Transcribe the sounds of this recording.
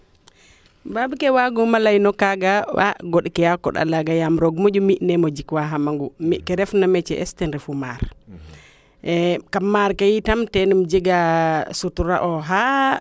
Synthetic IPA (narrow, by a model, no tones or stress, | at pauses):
babkɛwaɡumalajnɔkaɡawa̰ɡoɗkɛjakɔ̰ɗa̰laɡajamɾoɡmod͡ʒumiʔnɛmɔd͡ʒikwaɦamaŋɡumiʔkɛɾɛfnamɛt͡ʃɛʔɛ̰stɛnɾɛfumaɾ | ɛkamːaɾkajitamtɛnumd͡ʒiɡasutuɾa̰ʔɔɦa